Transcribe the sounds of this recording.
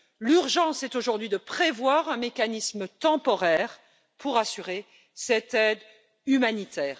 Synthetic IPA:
lyʁʒɑ̃sɛt̪oʒuʁd̪ɥid̪əpχevwaʁɛ̃mekanismət̪ɑ̃pɔʁɛːʁ | pʰuʁasyʁe | sɛt̪ɛd̪ | ymanit̪ʰɛːʁ

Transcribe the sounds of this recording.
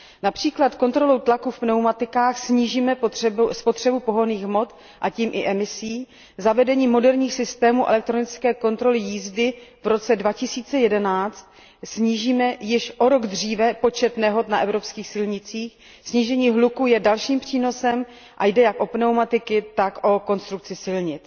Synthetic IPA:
napr̥iːklat̪ko̞nt̪ɾo̞lowt̪lakufpnɛwmat̪ɪkaːxsɲiːʒiːmɛspo̞t̪r̥ɛbupo̞ɦoniːxmo̞t̪ | ʔaciːmʔɪʔɛmɪsiː | zavɛdɛɲiːmo̞dɛɾɲiːxsɪst̪ɛːmuːʔɛ̰lɛk̚t̪ɾo̞nɪt͡skɛːko̞nt̪ɾo̞lɪjiːzdɪvɾo̞t͡sɛdvacɪsiːt͡sɛjɛdɛnaːt͡st̪ | sɲiːʒiːmɛjɪʃʔo̞ɾo̞ɡd̪r̝iːvɛpo̞t͡ʃɛt̪nɛɦo̞t̪naʔɛvɾo̞pskiːxsɪlɲɪt͡siːx | sɲiːʒɛɲiːɦlukujɛdalʃiːmpr̥iːno̞sɛm | ʔajdɛjakʔo̞pnɛwmat̪ɪkɪt̪akʔo̞ko̞nst̪ɾuk̚t͡sɪsɪlɲɪt͡s

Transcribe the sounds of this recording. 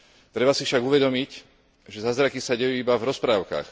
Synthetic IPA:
t̪ɾɛbasifʃaɡuʋɛd̪ɔmic | ʒɛzazɾakisaɟɛjuːibavɾɔspɾaːʊka̰ːx

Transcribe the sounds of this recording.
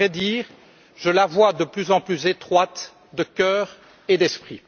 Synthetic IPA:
ɛd̪iːʁ | ʒəlavwad̪əplyzɑ̃plyzet̪χwat̪ | d̪əkʲœːʁ | ed̪ɛspχi

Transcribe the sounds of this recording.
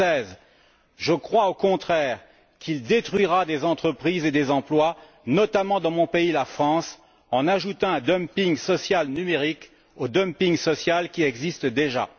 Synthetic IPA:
ɛz | ʒəkχwaokɔ̃t̪χɛʁ | kʰild̪et̪χɥiʁad̪ezɑ̃t̪χəpχized̪ezɑ̃plwa | nɔt̪amɑ̃d̪ɑ̃mɔ̃peilafχɑ̃s | ɑ̃naʒut̪ɑ̃ɛ̃d̪ɔmpiŋsɔsjalnymeʁik | od̪ɔmpiŋsɔsjalkʲiɛɡzist̪d̪eʒa̰

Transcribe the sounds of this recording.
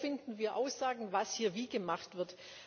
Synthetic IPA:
fɪndn̩viːɐʔaʊsz̥aːɡŋ̩vashiːɐviːɡəmaχtv̥ɪɐt

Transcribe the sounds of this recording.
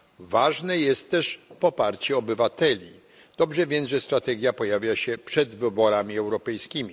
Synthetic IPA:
vaʐnɛjɛst̪ːɛʂpɔpaɾt͡ɕɛɔbɘvat̪ɛlʲi | d̪̥ɔbʐɛvʲjɛnʐɛst̪ɾat̪ɛɡʲjapɔjavʲjaɕɛpʂɛd̪vɘbɔɾamʲiɛwɾɔpɛjskʲimʲi

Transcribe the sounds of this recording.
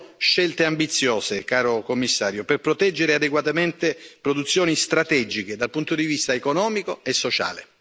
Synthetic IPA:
ʃɛlt̪eambit̪sːjɔːsekaːɾokomːisːaːɾjoperpɾot̪ɛd͡ʒːeɾead̪eɡwat̪ament̪epɾod̪ut̪sːjɔːnist̪ɾat̪ɛd͡ʒiked̪alpunt̪od̪ivist̪aekonɔːmikoesːot͡ʃa̰ːle

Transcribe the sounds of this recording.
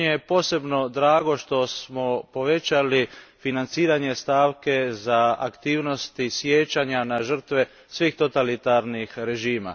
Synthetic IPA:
epo̞ːse̞bno̞d̪ɾaːɡo̞ʃt̪o̞smopo̞ʋe̞t͡ɕalifinant̪siːɾaɲe̞st̪aːʋke̞zaakt̪iːʋno̞st̪isjet͡ɕaɲanaʒr̩t̪ʋe | sʋiːxt̪ot̪alit̪aɾnixɾe̞ʒiːma̰

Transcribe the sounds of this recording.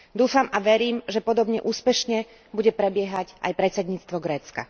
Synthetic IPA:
d̪uːfamaʋɛɾiːmʒɛpɔd̪ɔbɲɛʔuːspɛʃɲɛ | buɟɛpɾɛbɪɛɦacʔa̰jpɾɛtt͡sɛd̪ɲiːt͡st̪ʋɔɡɾɛːt͡ska̰

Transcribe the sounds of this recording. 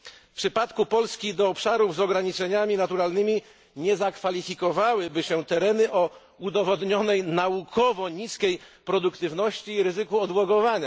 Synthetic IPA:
fpʂɘpat̪kupɔlskʲid̪ɔːpʂaɾuvzɔɡɾaɲit͡ʂɛɲamʲinat̪uɾalnɘmʲi | ɲɛzakfalʲifʲikɔvawɘbɘɕɛt̪ɛɾɛnɘʔɔ | ud̪ɔvɔd̪ɲɔnɛjnaukʰɔvɔɲiskʲejpɾɔd̪ukt̪ɘvnɔɕt͡ɕiːɾɘzɘkuɔd̪wɔɡɔvaɲa

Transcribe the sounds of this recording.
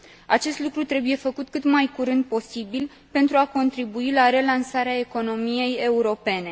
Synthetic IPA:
at͡ʃe̞st̪lukɾut̪ɾe̞buje̞fəkut̪kɨt̪majkuɾɨnd̪̚po̞sibil | pe̞nt̪ɾuako̞nt̪ɾibuilaɾe̞lansaɾeae̞ko̞no̞mije̞je̞uɾo̞pe̞ne̞

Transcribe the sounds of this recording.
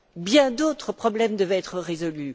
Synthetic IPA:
bjɛ̃d̪ot̪χəpχɔblɛmd̪əvɛɛt̪χəʁezɔly

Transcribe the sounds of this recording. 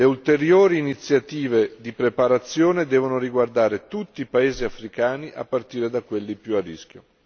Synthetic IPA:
leult̪eɾjoːɾiːnit̪sːjat̪iːved̪ipɾepaɾat̪sːjoːned̪ɛːvonoɾiɡward̪aːɾet̪ut̪ːipaeːziafɾikaːniʔa̰pːart̪iːɾed̪akːwelːipjuarːḭsk̟ʲjo

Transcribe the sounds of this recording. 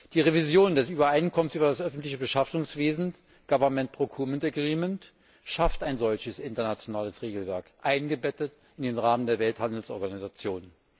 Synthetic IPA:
d̥iːʁevizjoːndɛsyːbɐaɪnkʰɔmənsyːbɐdasʔœfn̩tlɪçəbəʃaftʊŋsv̥eːzn̩ | ɡ̥avɐmɛnt̚pʁ̥okʰuːɐmɛntəɡʁiːmɛnt | ʃaftaɪnzɔlçəsʔɪntɐnat͡sjonaːləsʁeːɡl̩vɛɐkʔaɪnɡəbɛtət | ɪndeːnʁaːməndeːɐvɛlthandl̩sʔɔɐɡanizat͡sjoːn

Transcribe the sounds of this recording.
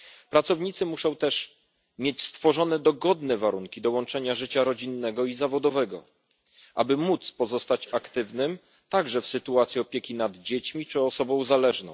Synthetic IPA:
pɾat̪sɔvɲit̪sɘmuʂɔ̃w̃t̪ɛʂ | mʲjet͡ɕst̪fɔʐɔnɛd̪ɔɡɔd̪nɛvaɾuŋkʲid̪ɔwɔnt͡ʂɛɲaʐɘt͡ɕaɾɔd͡ʑinːɛɡɔizavɔd̪ɔvɛɡɔ̰ | ʔa̰bɘmut̪spɔzɔst̪at͡ɕakt̪ɘvnɘm | t̪aɡʐɛfsɘt̪uat̪sʲjiɔpʲjekʲinad̪d͡ʑet͡ɕmʲit͡ʂɘɔsɔbɔ̃w̃zalɛʐnɔ̰̃w̃

